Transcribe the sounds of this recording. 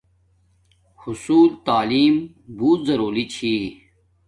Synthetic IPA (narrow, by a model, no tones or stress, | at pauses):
hʊsuːlt̪aːliːm | buːt̪zɐɾoːlit͡ɕʰi